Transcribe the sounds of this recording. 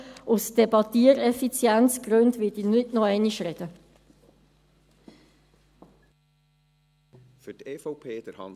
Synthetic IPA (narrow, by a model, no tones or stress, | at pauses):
ʔʊsd̥ebɑtiːɾɛfit͡sjɛnt͡sɡ̥ɾøndvɪdinʏtnɔɛniʃrɛd̥ə | fyteːfɔpʰeːd̥əɾhɑ̰n